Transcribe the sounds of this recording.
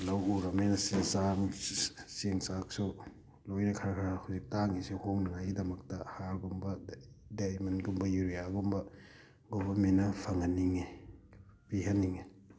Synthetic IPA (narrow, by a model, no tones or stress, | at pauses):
lawuɾɐmenɐsisamseŋsaksu | lojnɐkʰɐɾɐkʰaɾahuzik̚taŋisihomnɐŋajidɐmɐk̚tɐhaɾɡumbɐdajmɐnɡumbɐjuɾijaɡumbɐ | ɡobɐminɐpʰɐŋɐniŋe | piɦɐnːiŋe